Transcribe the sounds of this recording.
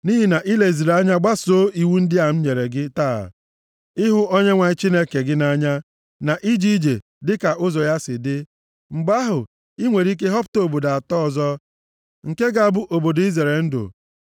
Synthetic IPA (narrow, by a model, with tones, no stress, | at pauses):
ni˦ɦi˨na˨ʔi˦le˨zi˨ɾa˦ɲa˦ɡ͡ba˦so˦i˨wu˦n̩˦dɪ˦a˨m̩˦ɲe˨ɾe˨ɡɪ˦ta̰ː˦˨ | ɪ˦ɦʊ˦ɔ˦ɲe˦ŋʷa˨˦t͡ʃi˦ne˦ke˨ɡɪ˦na˦ɲa˦ | na˨ʔi˦d͡ʒi˦i˦d͡ʒe˨ | dɪ˦ka˨ʔʊ˦zɔ˨ja˦sɪ˨dɪ˦ | ŋ͡m̩˨ɡ͡ba˦ɦʊ˨ | i˦ŋʷe˨ɾi˦k̬e˦ɦɔ˦pʊ̥˦to˨bo˨da˨a˨tɔ˦˨zɔ˦ | ŋ̩˨ke˦ɡa˨a˨bʊ˦ʔo˨bo˨di˦ze˨ɾe˨ln̩˦dʊ̰˨